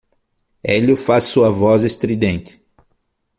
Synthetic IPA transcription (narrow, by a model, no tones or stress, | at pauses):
elʊfasːuɐvɔzest̪ɾid̪ẽnt̪ɪ̥